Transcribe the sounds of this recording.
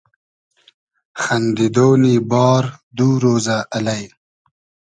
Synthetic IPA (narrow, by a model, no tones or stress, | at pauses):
xand̪id̪oːnibɑːɾd̪uːɾoːzaʔːlaj